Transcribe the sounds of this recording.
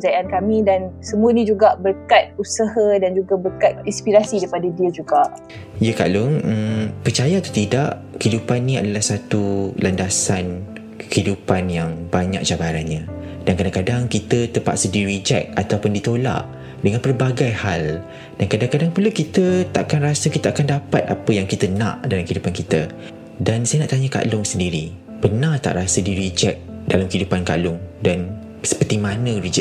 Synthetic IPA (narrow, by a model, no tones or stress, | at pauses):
d͡ʒajiʔankamĩdansəmũənĩd͡ʒuɡaʔbərkat̪̚usəhadand͡ʒuɡabərkat̪̚inspiɾasidaipadadiəd͡ʒuɡaʔ | ijəka̰lʊŋəmpərt͡ʃajat̪u̥t̪idaʔ | kidupanːĩadalahsat̪ulʔandasan | kəhidupanjaŋbaɲa̰k̚t͡ʃabaɾanɲãdankadaŋkadaŋkit̪ət̪əmpa̰ʔsədiɾid͡ʒɛk̚at̪awpʊndit̪ola̰ʔ | dəŋãnpərbaɡajhal | d̥ankadaŋkadaŋpuləkit̪ət̪aʔkanrasəkit̪aakandapat̪̚apəjaŋkit̪ənã̰ʔdalamkəhidupankit̪ə | dansajənaʔt̪aɲəka̰ʔlʊŋsəndiɾi | pənãt̪a̰ʔɾasədiɾid͡ʒɛk̚dalamkəidupanka̰ʔlʊŋdan | sə̥pərt̪imãnə̃rid͡ʒɛ